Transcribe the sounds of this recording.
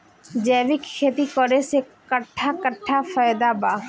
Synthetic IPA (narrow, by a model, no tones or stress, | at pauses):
d͡ʒɛːʋɪkkʰeːt̪ikɔɾesekəʈʰːakəʈʰːafajd̪abaː